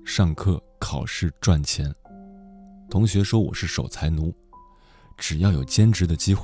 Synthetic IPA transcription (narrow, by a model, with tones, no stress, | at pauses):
ʂɑ˥˧ŋkʰɤ˥˩ | kʰɑ˨˩ʊʂɻ̩˥˧ʈ͡ʂwa˥˩nt͡ɕʰjɛ˧˥n | t̪ʰʊ˧˥ŋɕɥɛ˧˥ʂwɔ˥wɔ̰˨˩ʂɻ̩˥˩ʂo˨˩ʊt͡sʰa˧˥ɪnu˧˥ | ʈ͡ʂɻ̩˨˩jɑ˥˩ʊjo˨˩ʊt͡ɕjɛ˥nʈ͡ʂɻ̩˧˥d̪ə˧t͡ɕi˥xwe˥˩